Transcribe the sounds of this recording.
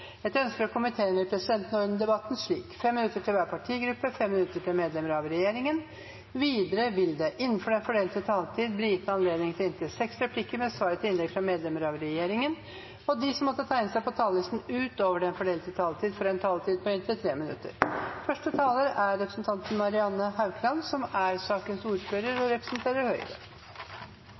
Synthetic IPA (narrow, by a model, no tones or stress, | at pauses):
ɛt̪œnskəɾɔkʰʊmɪt̪ʰeːəmɛpʰɾɛsɪd̪ɛnt̪nɔɾd̪nəd̪ɛbɑt̪ːn̩ʂɭiːkfɛmːɪnʉt̪ːəʈʰɪlʋæːɾpʰɑʈʰiːɡɾʉpːəfɛmːɪnʉt̪ːəʈʰɪlmeːd̪lɛməɾɑʋɾɛjeːɾɪŋən | ʋiːd̪əɾəʋɪld̪ɛʔɪnːənfɔɖɛnfɔɖeːlət̪ət̪ʰɑːlt̪ʰiːd̪̚bliːjɪt̪ːəɑnleːd̪nɪŋt̪ʰɪlɪnt̪ɪsɛksɾɛpʰlɪkːəɾmɛsʋɑːɾət̪ʰɪɪnlɛɡ̪̚fɾɑmeːd̪lɛməɾɑʋɾɛjeːɾɪŋən | ɔd̪ɪsɔmːɔt̪ːət̪ʰæɪnəsæɪpɔt̪ʰɑːlɪst̪n̩ʉːt̪oːʋəɖɛnfɔɖeːlt̪ʰət̪ʰɑːlt̪ʰiːd̪fɔɾɛnt̪ʰɑːlt̪ʰiːd̪̚pʰɔɪnt̪ʰɪlt̪ʰɾeːmɪnʉ̰t̪ːə̰ɾfœʂʈət̪ʰɑːləɾæɾɾɛpɾəsnt̪ʰɑnt̪nmɑɾɪɑnːəhɑʉkʰlɑnsɔmæɾsɑːkənsuːɾføːɾəɾɔɾɛpɾə̥snt̪ʰeːɾəɾhœʏɾə̰